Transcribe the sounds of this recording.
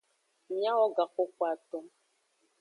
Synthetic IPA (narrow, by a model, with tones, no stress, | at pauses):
mja˦wɔ˦ɡa˨kʊ˦kʷa˨tɔ˦